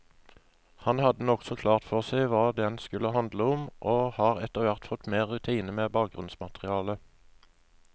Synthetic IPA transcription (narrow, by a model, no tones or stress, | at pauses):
hɑnhɑd̪ənɔksɔkʰlɑːʁt̪fɔʁsæɪʋɑːd̪ɛnskʉləhɑnd̪ləʊmʔoːhɑːʁɛt̪əʁʋæʁt̪fɔt̪meːʁːʉt̪ʰiːnəmeːbɑːk̚ɡʁʉnsmɑt̪ʁɪɑːlə